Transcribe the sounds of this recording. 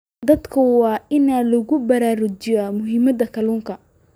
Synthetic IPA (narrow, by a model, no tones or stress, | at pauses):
d̪ɐd̪kʰɐwɑːɪnaːlʊɣʊbɐɾaːɾʊt͡ʃɪjamʊɦɪmɐd̪ɐkʰɐluːŋkʰɐ